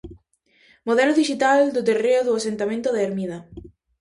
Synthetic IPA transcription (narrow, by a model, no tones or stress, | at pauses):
moðɛloðiʃit̪ald̪ot̪ereoðuasent̪amẽnt̪oðeeɾmiða